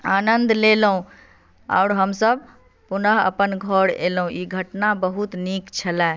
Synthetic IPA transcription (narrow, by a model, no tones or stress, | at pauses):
anənd̪lelɦũ | a̰ʊɾɦəmsəb̚ | punəɦə̰pənɡʱɔɽḛlɦũiɡʱəʈnabəɦut̪nikt͡ʃʰəlɛ